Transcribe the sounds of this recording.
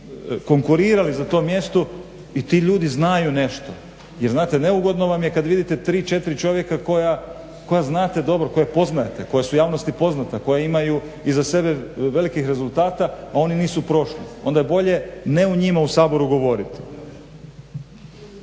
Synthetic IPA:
ko̞ŋkuɾiːɾalizat̪o̞mje̞st̪o | it̪iːʎuːd̪iznajune̞ʃt̪o̞ | jeɾznaːt̪e̞ne̞uɡo̞d̪no̞ʋamje̞kad̪ʋid̪it̪e̞t̪ɾiːt͡ʃe̞t̪iɾit͡ʃo̞ʋje̞kako̞ja | ko̞jaznaːt̪e̞d̪o̞bɾo̞ko̞jepo̞znaet̪eko̞jesujaːʋno̞st̪ipo̞znat̪ako̞jaimaju | izase̞be̞ʋe̞likixɾezulˠt̪aːt̪aːo̞niniːsupɾo̞ʃlio̞nd̪ajebo̞ʎe̞ne̞uɲimausaːbo̞ɾuɡo̞ʋo̞ɾit̪i̥

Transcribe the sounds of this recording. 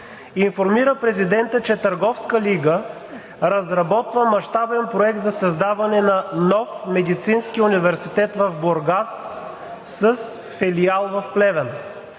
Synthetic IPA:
infoɾmiɾəpɾɛzid̪ɛnt̪ət͡ʃɛt̪ɐɾɡɔfskəliɡə | ɾɐzɾɐbɔt̪vəmɐʃt̪abɛnpɾoɛk̚t̪zɐsɐzd̪avɐnɛnɐnɔfmɛd̪it̪sinskiunivɛɾsit̪ɛt̪vɐvboɾɡasː | əs | fɛlialˠvɐfplɛvɛn

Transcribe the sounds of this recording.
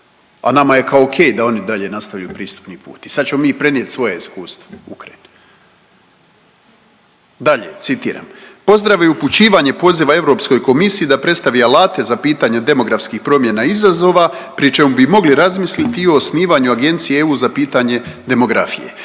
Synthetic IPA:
a̰namaje̞kaokʰe̞ːjd̪ao̞nid̪aʎe̞nast̪aʋʎauːpɾiːst̪u̥pnipṵːt̪i̥sad̪t͡ɕe̞momiːpɾe̞nie̞t̪sʋo̞jeiskuːst̪vo̥ukɾajin | d̪aʎe̞̰t̪sit̪ḭːɾa̰mpo̞zd̪ɾaʋojuput͡ɕiːʋaɲe̞po̞ziʋae̞vɾo̞ːpsko̞jko̞misijid̪apɾe̞t̪st̪aʋialaːt̪e̞zapiːt̪aɲe̞d̪e̞mo̞ɡɾafskixpɾo̞mje̞naizazo̞ːʋa | pɾit͡ʃe̞mubimo̞ɡliɾazmislit̪io̞ːsniːʋaɲuaɡe̞nt̪sijeeuːzapiːt̪aɲe̞d̪e̞mo̞ɡɾa̰fḭjḛ

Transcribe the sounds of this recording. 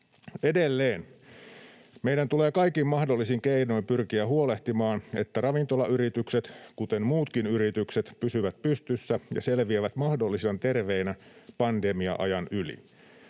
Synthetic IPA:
edelːeːn | meidænt̪ule̞ːkɑikimmɑhdolːisiŋkeinoimpyrkiæhuoleht̪imɑːnet̪ːærɑʋint̪olɑʔyɾit̪ykset̪kut̪enmuːt̪kinyɾit̪ykset̪pysyʋæt̪pyst̪ysːæjɑ̰selʋiæʋæt̪mɑhdo̞lːisiɑnt̪e̞rʋeinæpɑndemiɑ̰ʔɑ̰jɑnylḭ

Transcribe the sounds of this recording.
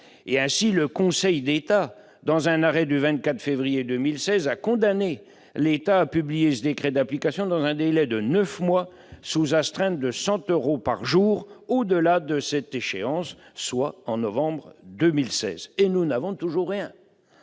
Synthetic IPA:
eɛ̃siləkɔ̃sɛjd̪et̪a | d̪ɑ̃zɛ̃naʁɛd̪yvɛ̃t̪̚kʲat̪χfevʁijed̪ømilsɛzakɔ̃d̪ane | let̪aːpyblijesəd̪ekχɛd̪aplikasjɔ̃d̪ɑ̃zɛ̃d̪elɛd̪ənœfmwa | suzast̪χɛ̃t̪̚d̪əsɑ̃t̪øʁopaʁʒuʁod̪əlad̪əsɛt̪eʃeɑ̃sːwaɑ̃nɔvɑ̃bʁd̪ømilsɛ̰zenunavɔ̃t̪uʒuʁːjɛ̃

